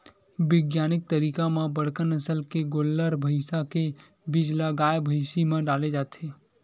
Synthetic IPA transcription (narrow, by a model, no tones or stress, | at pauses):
ʋɪɡjaːnɪk̚t̪əɾiːkamãbəɽ̤kənəsəlkeɡolːəɾbʱəɪsake | bɪd͡ʒlaɡaːjbʱəɪsimãɖaːled͡ʒaːt̪ʰe